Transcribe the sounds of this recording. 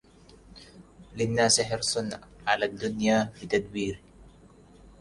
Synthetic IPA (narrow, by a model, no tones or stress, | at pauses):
lɪnːaːsɪħɑɾsˤʊnʕalaːd̪ːʊnjaːfɪt̪ad̪wiːɾɪ